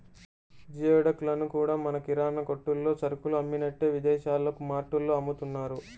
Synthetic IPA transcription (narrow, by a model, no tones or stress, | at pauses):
d͡ʒiːɛɽɐkulɐnukuːɽaːmɐnɐkiɾaːnɐkoʈːulːo̞ːt͡ʃɐɾukuluɐmːinɐʈːe̞ːʋid̪ɛːʃaːlːɐkumaːʈːulːo̞ːɐmːut̪unːaːɾu